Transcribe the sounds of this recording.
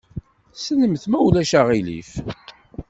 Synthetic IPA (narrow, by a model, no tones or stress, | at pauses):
sənəmθmæwlæʃaʁilḭf